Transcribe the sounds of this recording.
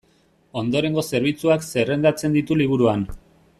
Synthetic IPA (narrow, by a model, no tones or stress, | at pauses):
o̞nd̪o̞ɾe̞ŋɡo̞se̞ɾβ̞it͡suakse̞re̞nd̪at͡se̞nd̪it̪uliβ̞uɾuan